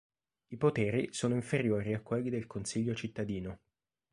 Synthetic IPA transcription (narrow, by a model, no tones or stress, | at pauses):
ipot̪ɛːɾisoːnoiɱfeɾjoːɾiakːwelːid̪elkonsiʎːot͡ʃit̪ːad̪iːno